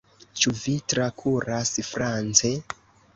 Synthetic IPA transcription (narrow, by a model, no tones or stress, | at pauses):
t͡ʃuvitɾakʰuɾasfɾant͡se